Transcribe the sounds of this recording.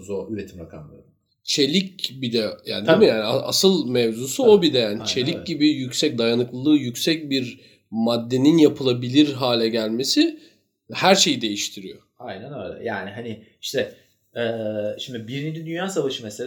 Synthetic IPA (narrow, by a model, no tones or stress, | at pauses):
zoyɾet̪ʰimɾakʰa̰mlˠaɾd̪ | t͡ʃʰe̞lʲicbid̪ɛja̰ːnid̪imijaːniaa̰sɯlˠmɛvzuːsuo̞bid̪ɛjaːnit͡ʃʰelʲic̚ɟibijycʲsɛc̚d̪ajanɯklˠɯlˠɯːjycsɛc̚biɾ | mad̪ːe̞ninjapʰɯlˠabilʲiɾɦaːlʲɛɟælʲme̞si | hæɾʃe̞jid̪e̞jiʃt̪ʰiɾijo̞̰ | ajnænø̰ːlʲɛ̰jaːniɦanɪ | iʃt̪ʰɛ | ɛːʃimd̪ibiɾinid͡ʒid̪ynjaːsavaʃɯmɛsel